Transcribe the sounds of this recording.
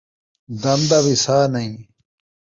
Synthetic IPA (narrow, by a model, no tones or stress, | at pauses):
d̪ɐmd̪ɐβisaːnɐĩ